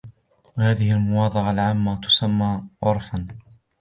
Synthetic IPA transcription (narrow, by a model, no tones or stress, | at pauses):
wahaːðɪhɪalmʊwɑːd̪ˤɨʕɑlʕaːmːat̪ʊ̥samːaːʕʊɾˤfan